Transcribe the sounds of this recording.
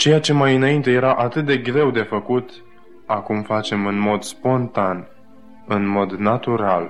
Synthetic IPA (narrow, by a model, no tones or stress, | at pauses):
t͡ʃe̞jat͡ʃe̞majɨnaint̪e̞je̞ɾaʔat̪ɨt̪̚d̪e̞ɡɾe̞wd̪e̞fəkut̪ | akumfat͡ʃe̞mɨnmo̞d̪spo̞nt̪an | ɨnmo̞d̪nat̪uɾal